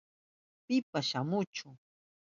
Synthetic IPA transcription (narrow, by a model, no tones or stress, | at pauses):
pɪpaʃamʊt͡ʃʊ